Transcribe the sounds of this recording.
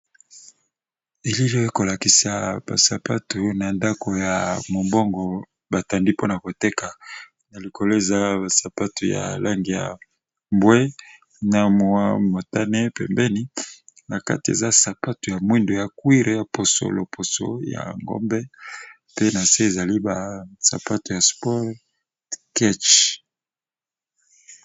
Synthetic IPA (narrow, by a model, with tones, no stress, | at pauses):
e˨li˦lo˦e˦ko˨la˨ki˨sa˨ba̰˨sa˨pa˦tu˨na˨nda˦ko˨ja˨mo˨mbo˦ŋɡɔ˨ | ba˨ta˨ndi˦po˦na˨ko˨te˦ka˨ | na˨li˨kʰo˨lo˦e˨za˦ba˨sa˨pa˦tu˨ja̰˨la˦ŋɡi˨ja̰˨ | mbwe˦ | na˨mo˨wa˦mo˨ta˦ne˦pɛ̰˨mbɛ˦ni˦na˨ka̰˦ti˨ḛ˨za˦sa˨pa˦tu˨ja˨mwi˦ndo˨ja˨kwi˦ʁe˨˦ja˨po˨so̰˨lo˨pʰo˨so̰˨ja̰˨ŋɡo̰˦mbɛ˦ | pe˦na˨se˦e˨za˨li˦ba˨sa̰˨pa˦tu˨ja˨spɔ˦ʁ | kɛ˦t͡ʃ